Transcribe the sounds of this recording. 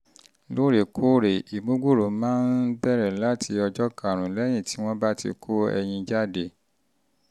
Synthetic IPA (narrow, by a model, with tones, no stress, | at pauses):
lo˦ɾe˨kʰo˦ɾe˨i˨mõ˨˦ɡu˦˨ɾo˨˦mãː˦n̩˦bɛ˦˨ɾɛ˨la˨˦tʰi˧ɔ˧d͡ʒɔ˦ka˨ɾ̃ũ˨lɛ˦j̃ĩ˦˨ti˨˦w̃ɔ̃˦ba˦tḭ˧kʰo˦ɛ̰˧j̃ĩ˧d͡ʒa˦de˦˨